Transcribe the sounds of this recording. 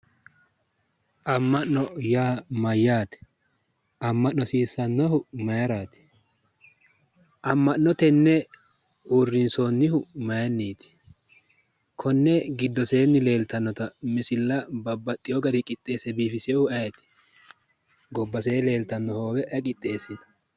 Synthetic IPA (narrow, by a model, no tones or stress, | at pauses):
ʔɐmːɐʔnɔjaːmɐjːaːt̪ɛ̥ | ʔɐmːɐʔnːɔsiːsːɐnːɔhʊmɐjɾaːt̪ɛ̥ | ʔɐmːɐʔnːɔt̪ɛnːɛ | uːrːɪnsoːnːɪhʊmɐjɐnːiːt̪ɪ̥ | kʰɔnːɛɡɪd̪ːɔse̞ːnːɪle̞ːlt̪ɐnːɔt̪ɐmɪsɪlːɐbɐbːɐt̪ʼːɪjɔɡɐɾɪkʼɪt̪ʼːe̞ːsɛbiːfɪsɪhʊɐjɛt̪ɛ̥ | ɡɔbːɐseːle̞ːlt̪ɐnːɔhoːwɛʔɐkʼɪt̪ʼːe̞ːsɪnɐ̥